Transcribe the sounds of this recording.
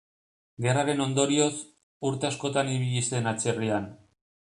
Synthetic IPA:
ɡe̞raɾe̞no̞nd̪o̞ɾio̞s | uɾt̪e̞asko̞t̪aniβ̞iʎise̞nat͡se̞rian

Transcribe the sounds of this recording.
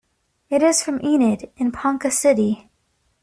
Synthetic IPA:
ɨɾɪz̥fɹʌ̃mʔinɨɾɨ̃npʰɑ̃ŋkɨsɪɾi

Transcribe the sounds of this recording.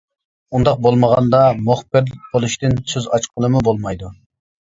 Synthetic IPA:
und̪ɑq̚bolˠməʁɑnd̪ɑmoχpɪɾbolˠuʃt̪ɪnsøzɑt͡ʃqʰəlˠɨmubolˠmɑjd̪u

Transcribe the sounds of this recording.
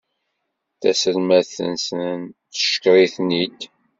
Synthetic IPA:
θæ̰səlmæθə̰nsənn | ə̥ʃə̥kɾˤiθnid̪

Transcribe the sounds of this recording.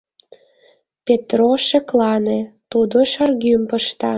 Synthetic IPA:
pʲet̪roʃeklɑnet̪ud̪oʃɑrɣympəʃt̪ɑ

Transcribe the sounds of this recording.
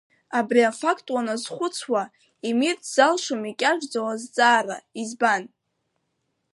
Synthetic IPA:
abriafakʰtʼwanazχʷʊt͡sʰwa | imirtʰz̥alʂomikʲʼaʒᶣd͡zawazd͡zʼaːraizban

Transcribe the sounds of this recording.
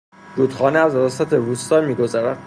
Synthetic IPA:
ɾuːt̪χɒːneæzɾɒːsæt̪ʰeɾuːst̪ɒːmiːɡo̞zæɾæd̪

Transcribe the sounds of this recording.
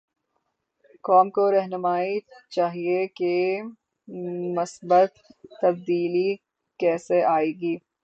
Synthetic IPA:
kɔːmkoɾɛɦnʊmaːit͡ʃaːɦieke | mʊsbət̪ːɐb̚d̪iːli | kɛːseʔaːeːɡiː

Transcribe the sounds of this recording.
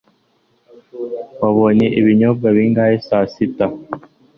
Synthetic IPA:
waβoɲe̞ʔiβiɲob̚ɡaβiːŋɡaːjesaːsita

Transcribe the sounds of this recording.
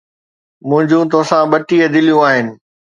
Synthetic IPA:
mʊ̃ɦɪ̃ɲd͡ʑũt̪osãɓɐʈiəd̪ɪlijũaːɦɪnɪ̆

